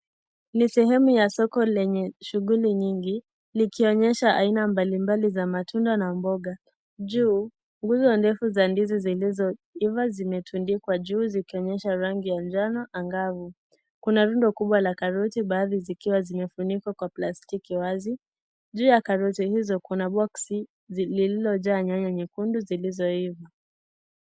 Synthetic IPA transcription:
nisɛɦɛmujasɔkɔlɛɲɛʃuɣuliɲiŋɡi | likiɔɲɛʃaʔainambalimbalizamatʰundanambɔɡa | ʄuː | ŋɡuzɔndɛfuzandizizilizɔivazimɛtʰundikwaʄuːzikiɔɲɛʃaɾaŋɡijand͡ʒanɔʔaŋɡavu | kunaɾundɔkuɓwalakaɾutiɓaːðizikiwazimɛfunikwakwaplastikiwazi | ʄuːjakaɾutihizɔkunaɓɔksi | lililɔʄaːɲaɲaɲikunduzilizɔiva

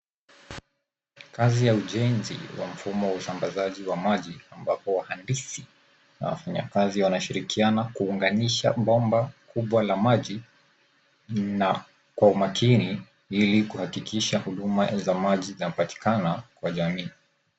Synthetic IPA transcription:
kazijauʄɛnzḭwa̰m̩fumɔwausambazaʄiwamaʄiambapɔwahandisi | na̰wa̰faɲa̰kaziwanaʃiɾikianakuːŋɡaniʃa̰ɓɔmbakʰuɓwalamaʄi | na | kwaumakʰini | ilikuhakikʰiʃahuɗumazamaʄizanapati̥kanakwaʄamiː

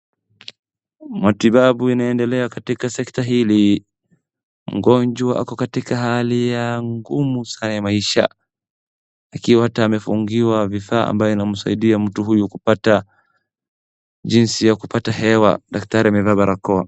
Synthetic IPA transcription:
matiɓaɓuinaɛndɛlɛakatikasɛktaɦili | m̩ɡɔɲd͡ʒwaʔa̰kɔkatikaɦalijaŋɡumusanajamaiʃa̰ | akiwahataːmɛfuŋɡiwavifaːʔa̰mbajɔinam̩saiɗiam̩tuɦujukupata | d͡ʒinsijakupatahɛwa̰ɗak̚taɾiamɛvaːɓaɾakɔa̰

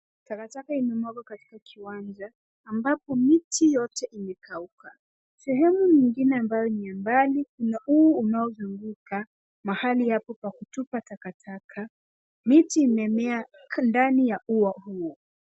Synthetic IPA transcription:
takatakaimɛmɔɡakati̥kakʰiwand͡ʒaː | mbapɔmitʰijɔtɛʔimɛkʰauka | sɛɦɛmuɲiŋɡinɛambajɔniambalikunaʔuɔunaɔzuŋɡuka | mahalijapɔpakutupatakatʰakʰa | mitiːmɛmɛa | ndanijaʔuwahuɔ

